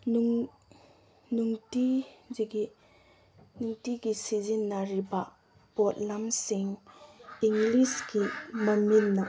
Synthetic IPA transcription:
u | nuŋtiziɡi | nuŋtiɡisizinːaɾibɐ | pot̚lamsiŋ | iŋɡlisɡimɐminːɐ

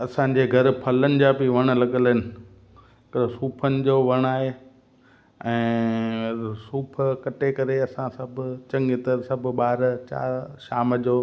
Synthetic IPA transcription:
ɐsãɲ̆d͡ʑeːɡʱɐɾ̆pʰɐlənɪ̆d͡ʑaːbiʋɐɽ̃ʊ̆lɐɠəlɪnɪ̆ | kɾsuːpʰənɪ̆d͡ʑoːʋɐɽ̃aːɦe | ɛ̃ː | suːpʰkɐʈekɐɾeɐsãsɐbʱʊ̆t͡ɕɐ̃ŋɡɪt̪əɾsɐb̆ʱɓaːɾt͡ɕa̰ːʃaːməd͡ʑoː

